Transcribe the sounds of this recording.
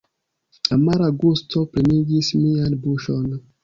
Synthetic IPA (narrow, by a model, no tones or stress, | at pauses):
amaɾaɡustʰɔpɾiniɡismianbuʃɔn